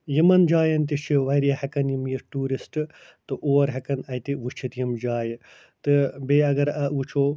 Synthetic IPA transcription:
jimɐnd͡ʒaːjɐnt̪it͡ʃʰiʋɐjɾjɐhɐkɐnjimjiɾʈuːɾisʈɨ | t̪ɨʔoːɐɾɦɐkɐnɐjt̪iʋut͡ʃʰit̪jimd͡ʒaːj | t̪ɨbeːɐɡɐɾɐut͡ʃʰoː

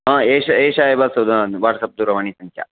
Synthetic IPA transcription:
ɦə̃eɕeɕaebasɐd̪əʋaʈsɐp̚d̪uɾɐʋaɳ̃iːsəŋkʰja̰

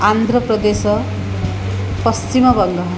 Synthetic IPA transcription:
and̪ʱrʌprʌd̪esʌ | pʌst͡ʃimʌbʌŋɡʌɦ

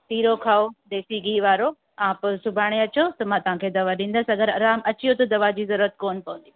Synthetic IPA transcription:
t̪iːɾokʰaːod̪eːsiɡiːʋaːɾo | ãːpʊsʊbʱaːɽ̃eɐt͡ɕot̪ɐmãːt̪ɐʋ̤ãkʰeːd̪ɐʋaɗĩːn̆d̪əsɐɡəɾɐɾaːmɐt͡ɕijot̪ɐd̪ɐʋad͡ʑiːzɐɾuɾət̪̚koːnpɐʋə̃n̆d̪i

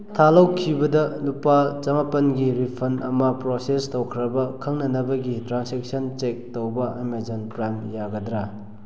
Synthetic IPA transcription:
tʰalowkʰibɐdɐlupat͡ʃɐmapɐnɡiɾipʰɐnɐmɐpɾosestowkʰɾɐbɐkʰɐŋnɐnɐbɐɡitɾansek̚sɐnt͡ʃek̚towbɐimezonpɾajmjaɡɐdɾa

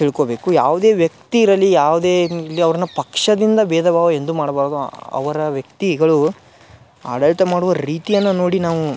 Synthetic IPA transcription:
t̪iɭkobe̞ːkujaːʋud̪e̞ːʋjɐk̚t̪iːɾɐlːijaːʋud̪eːlːiɐʋɐɾɐnɐpɐkʂɐd̪ind̪ɐbɛːd̪ʱɐbaːʋɐend̪umaːɽɐbaːɾd̪uɐ̰ʋɐɾɐʋjɐk̚t̪iɡɐɭu | a̰ːɽɐɭit̪ɐmaːɽuʋɐɾiːt̪ijɐnːɐno̞ːɽinaːʋu

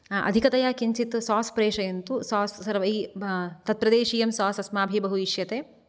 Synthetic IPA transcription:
ʔɐ̰d̪ʱikɐt̪ɐjaːkiɲt͡ʃit̪saːspɾeːʂɐjɐnt̪usaːssɐɾʋɐit̪ɐt̪̚pɾɐd̪eːʃiːjɐmsaːsɐsmaːbʱibɐɦuiʃjɐt̪eː

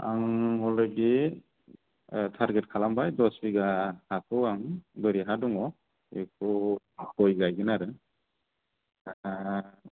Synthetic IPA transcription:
a̰ŋɔlɡi | tʰaɾɡet̚kʰalambajdɔsbiɡahakʰɔwaŋbɯɾiɦadɔŋɔ | ekʰɔ | kɔjɡajɡɯnaɾɯ

